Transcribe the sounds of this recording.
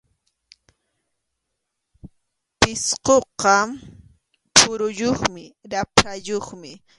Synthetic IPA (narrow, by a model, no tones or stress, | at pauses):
pɪsqoqɑ | pʰʊɾʊjoχmɪɾapɾajoχmɪ